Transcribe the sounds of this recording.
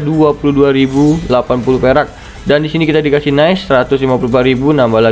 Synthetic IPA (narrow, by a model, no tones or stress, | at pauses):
duapuluduaɾibulapanpuluhpeɾak̚ | dandisinikit̪adikasihnaɪsːəɾat̪ʊslimapulumpaɾibunambala